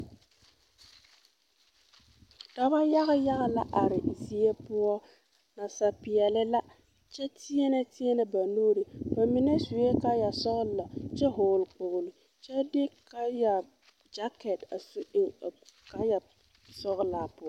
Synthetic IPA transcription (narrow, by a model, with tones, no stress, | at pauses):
da˦ba˦ja˦ɣɪ˦ja˦ɣa˨la̰˦ʔa˨ɾɪ˨zi˨e˦pʊ˦ɔ˦ | na˨sa˨pɪ˨jɛ˨lɪ˦la˦ | t͡ʃɛ˦tɪ˦ɛ˦nɛ˦tɪ˦ɛ˦nɛ˨ba˨noː˦ɾi˨ba˨mi˦nɛ˦sʊ˨je˦ka˦ja˨sɔ˦ɣla˨t͡ʃɛ˦ɦʊː˨lk͡pʊ˨ɣʊ˨lɪ˨ | t͡ʃɛ˦dɪ˦ka˦ja˨ | d͡ʒa˦kɛ˨ta˨su˦ʔɪ˦˨ŋ˨ka˦ja˨ | sɔ˦ɣla˨pʊ˦ɔ˦